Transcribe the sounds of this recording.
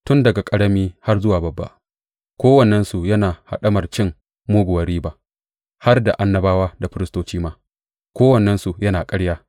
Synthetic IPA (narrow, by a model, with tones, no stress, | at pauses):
tʊ˦ndɐ˨ɡa˨kʼɐ˦ɽɐ˦miː˦ha˦rzʊ˦waː˨bɐ˨bːa̰˦˨ʔ | kʷoː˦wɐ˨nːɛ˦nsu˨jɐ˦naː˨ha̰˨ɗɐ˦mɐ˨rt͡ʃɪ˦ŋ | moː˦ɡʷʊ˨wɐ˨ɾiː˦ba˦ʔ | ha˦rda̰˨ʔa˦nːɐ˦baː˦waː˦da˨ɸɪ˦ɾɪ˦stoː˦t͡ʃiː˦maː˦ | kʷoː˦wɐ˨nːɛ˦nsu˨jɐ˦naː˨kʼɐ˦ɽjaː˦